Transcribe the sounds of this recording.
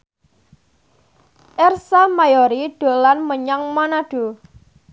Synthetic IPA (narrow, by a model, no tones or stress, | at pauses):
ʔɛrsamajɔɾiɖ̥o̤lanməɲaŋmanaɖ̥o̤